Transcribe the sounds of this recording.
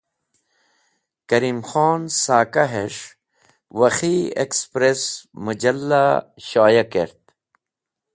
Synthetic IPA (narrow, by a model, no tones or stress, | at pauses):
kɐɾiːmxoːnsaːkaɦeʂ | wɐxiḛkspɾesmud͡ʑɐlːaɕaːjakeɾt̪̚